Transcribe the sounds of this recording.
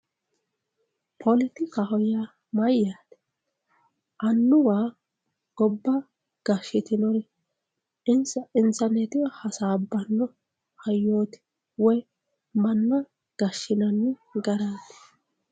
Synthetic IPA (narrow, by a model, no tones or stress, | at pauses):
pʰɔlɪt̪ɪkɐɦɔjaː | mɐjːaːt̪ɛ̥ | ʔɐnːʊwaː | ɡ̥ɔbːɐ | ɡ̥ɐʃːɪt̪ɪnɔɾɪ | ɪnsɐɪntɐɾnɛt̪ɪwɐhɐsaːbːɐnːɔ | hɐjːoːt̪ɪ̥ | wɔj | mɐnːɐ | ɡ̥ɐʃːɪnɐnːɪɡɐɾaːt̪ːɪ̥